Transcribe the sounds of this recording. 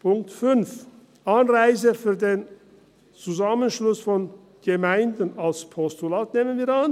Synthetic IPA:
pʰʊŋk̚tfʏnf | ʔanʁaɪzəfyːɐdeːn | t͡suzamənʃlʊsfɔn | ɡ̥əmaɪndn̩alspʰɔstulaːtneːmənviːɐan

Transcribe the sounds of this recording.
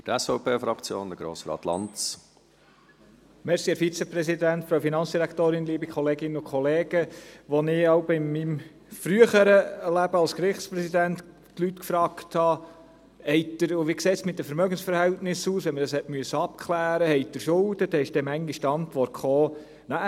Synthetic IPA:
fytɛsfɔʊpʰeːfɾɑkt͡sjo̰ːnd̪əɡ̥ɾo̰ːsɾɑ̰ːt̪lɑ̰nt͡s | mɛɾsiɛɾfit͡sɛpɾɛsidæntfɾowfinɑnt͡sd̥iɾækt̪oːɾɪnliːəbikχɔleːɡɪnəʊkʰɔleːɡəʋɔnɪɑwbɪmːim | fɾyəχəɾəlæbəɑlskɾɪχtspɾɛsidænt̪ | tlyt̪kfɾɑːkt̪hɑ | ɛɪtd̥̪əɾʊʋiːkseːt̪smɪt̚dəfəɾmœɡənsfəɾhɛltnɪsuːsʋɛnməd̥ɑshɛtmyəsːəɑp̚kχlæːɾəhɛɪt̚d̪əɾʃʊld̪əd̥̪ɛɪʃd̥ɛmæŋɡiʃtɑntʋɔrtχoː | nɑ

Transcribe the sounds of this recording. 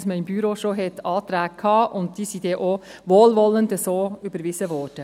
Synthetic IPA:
sməɪmbyɾoʃoɦɛt̪ɑːt̪ɾæːɡ̚kʰɑːʔʊnt̚d̥iːsid̥ɛʔoʋoːlʋɔləndəsoːybəɾʋɪsəʋɔːɾd̥ə

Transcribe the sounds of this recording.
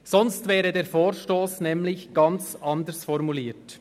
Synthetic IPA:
sɔnstvɛːʁədeːɾfoːʃtoːsnɛmlɪçɡ̥ɑnt͡sʔɑndəsfɔɾmuliːt

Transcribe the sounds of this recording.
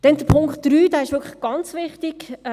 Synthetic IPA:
d̥ɛnd̥əpʰʊŋktɾyːdaːɪʃʋʏɾkʰlə̥χɡ̥ɑnt͡sʋɪχtɪɡ̥

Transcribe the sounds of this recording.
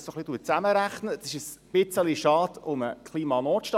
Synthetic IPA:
soχlit̪uːət͡sæməɾæχnə̥sɪʃəsb̥ɪt͡səliʃɑːd̥̪ʊməkʰχliːmɑnɔːtʃtɑ

